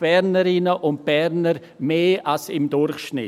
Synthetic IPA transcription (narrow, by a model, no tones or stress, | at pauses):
b̥ɛɾnəɾɪnəʔʊnt̚b̥ɛɾnəɾ | meːʔalsɪmdʊɾχʃnɪ̰